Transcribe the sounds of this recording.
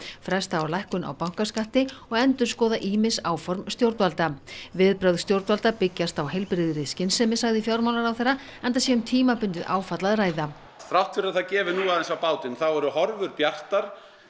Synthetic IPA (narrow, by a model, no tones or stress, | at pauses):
fɾɛst̪aaɾlajhkʏna̰wpawŋ̥kaskat̪ɪɔɣɛnt̪ʏ̥skɔːðaʔiːmɪsaːwfɔɾmst̪jowɾt̪valt̪avɪðpɾœɥðst̪jowɾt̪valt̪apɪcːast̪awhejlpɾɪðʏɾɪscɪnsɛmɪsaɣðɪfjawɾmawnaɾawθejrːa | ɛjnt̪̬asjɛʏmt̪ʰiːmapʏnt̪ɪðʔaːwfat̪laðraːjða | θɾawht̪fɪɾaθaðcɛːvɪnuːaðɛnsawpaːwt̪ɪnθawɛɾʏhɔɾvʏɾpjar̥t̪aɾ̥